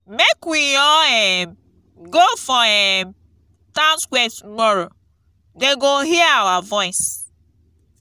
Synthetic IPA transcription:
mekwiɔɛm | ɡofɔɛm | tãʊ̃nskwɛtumɔɾo | deɡoɦiawavɔɪs

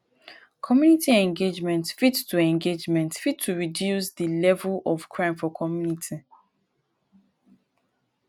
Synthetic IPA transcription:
kʰɔmjunitiɛ̃ŋɡed͡ʒmɛ̃ntfidtuɛ̃ŋɡed͡ʒmɛ̃ntfid̚tʰːuɹidjusðəlɛvəlɔv̥kʰɹãɪ̃mfɔkʰɔmjunitʰi

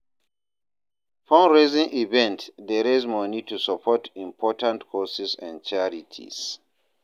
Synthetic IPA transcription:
fɔ̃nɹezĩŋʔivɛ̃ntdɛɹɛzmɔnitusapʰɔtĩmpʰɔtãntkʰɔsisɛ̰̃nt͡ʃɛɹitʰḭs

